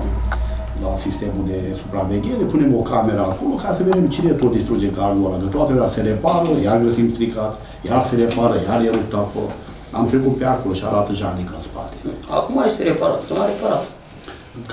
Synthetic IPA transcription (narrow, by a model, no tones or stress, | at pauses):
lasist̪e̞muld̪e̞supɾaveɡʲe̞ɾepune̞mo̞kame̞ɾəako̞lo̞kasəved̪emt͡ʃinet̪ot̪̚d̪ist̪ɾud͡ʒeɡard̪alad̪ət̪oat̪eojaseɾepaɾəjarɡəsimst̪ɾikat̪ | jarseɾepaɾəjarjelup̚t̪ako̰lo̰ | a̰mt̪ɾe̞kut̪̚peako̞loʃia̰ɾat̪əʒad̪ikəɨnspa̰t̪ea̰kumajest̪eɾepaɾa̰t̪numaɾepaɾat̪